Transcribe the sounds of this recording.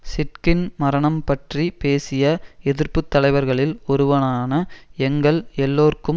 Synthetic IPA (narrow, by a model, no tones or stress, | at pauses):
sɪʈkɪnmɐɾɐɳɐmpɐʈripeːsɪjɐɛðɪɾpɯt̪ːɐlɐɪʋɐɾɣɐɭɪlɔɾɯʋɐnaːnɐɛŋɡɐɭɛlːoːɾkɯm